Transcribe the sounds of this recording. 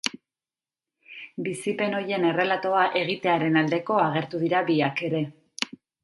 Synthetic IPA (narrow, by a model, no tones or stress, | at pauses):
bisipe̞no̞je̞ne̞re̞lat̪o̞aʔe̞ɣ̞it̪e̞aɾe̞nald̪e̞ko̞aɣ̞e̞ɾt̪uðiɾaβiake̞ɾe̞